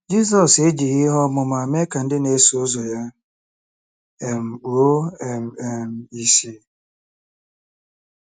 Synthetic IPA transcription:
d͡ʒi˦s̬ɔ˨se˦d͡ʒi˨ɣɪ˦ɦɔ˦mʊ˨ma˨me˦ka˨n̩˦dɪ˦ne˦so˦zo˨ja˦ | e˨m̩˨o˨˦˨m̩˨e˨m̩˨i˦si˦

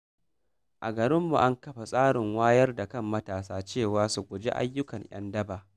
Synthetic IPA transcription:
ʔa˨ɡɐ˨ɾɪ˦mːṵ˨ʔa˦ŋkɐ˦ɸa˨sʼaː˦ɽɪ˨ŋwaː˦jɐ˦rda˨kɐ˦mːɐ˦taː˨saː˦t͡ʃeː˦˨waː˦su˨ɡʷʊ˨d͡ʒḛ˦ʔa̰˦jːʊ˦kɐ˨ɲj̰ɐ̰˦ndɐ˦baː˨

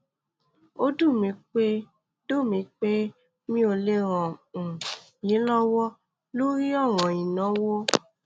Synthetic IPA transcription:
o˦du˦˨mĩ˧k͡pe˦ | do˦˨mĩ˧˦k͡pe˦ | mĩ˦o˧le˦ɾɔ̃˨ | jĩ˨˦lɔ˦wɔ˦ | lo˦ɾi˦ɔ˦˨ɾ̃ɔ̃˨i˨nã˨˦wo˦

